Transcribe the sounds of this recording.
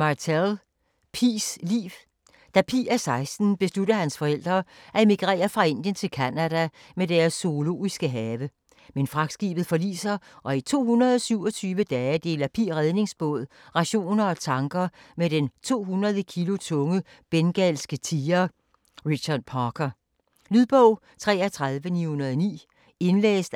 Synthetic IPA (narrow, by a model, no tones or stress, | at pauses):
mɑt͡sʰel | pʰislḭːʋ | d̥æpʰḭːæsɑ̈ɪsd̥n̩b̥e̝sluɾɐhænsfɒ̽el̰d̥ʁɐːʔæe̝miɡ̥ʁɛ̰ːɐfʁɑ̈e̝n̰d̥jənt͡sʰe̝lkʰænæd̥æ | med̥æɐsːo̝olo̝̰ːisɡ̥əɦɛːʋə | menfʁɑ̈ɡ̥sɡ̥ḭːb̥ð̩ˠfɒ̽lḭːsɐʔɒ̽it͡sʰo̝̰ːɦunɐðˠɒ̽syʊ̰ɒ̽t͡sʰyːʋəd̥ɛːd̥e̝̰ːlɐpʰḭʁɛð̞ˠne̝ŋsb̥ɔ̽ð̞̰ˠ | ʁɑ̈ɕo̝̰ːnɐɒ̽t͡sʰɑ̈ŋɡ̥ɐmed̥ent͡sʰo̝̰ːɦunʁɐð̞ˠəkʰilo̝t͡sʰɔ̽ŋə | b̥enɡ̥ælsɡ̥ət͡sʰiːɐ | ʁiɕɑd̥̚pʰɑːkʰɐ | lyðˠb̥ɔʊ̰ | t͡sʰʁɛ̰ːɐt͡sʰʁɑð̞ˠʋənihunɐð̞ˠnḭː | e̝nlḛːsd̥